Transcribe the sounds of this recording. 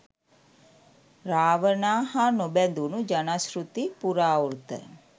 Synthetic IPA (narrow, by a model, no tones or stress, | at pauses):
raːʋənaːɦanobænd̪unud͡ʒanasɾut̪ipuɾaːuɾt̪ə̰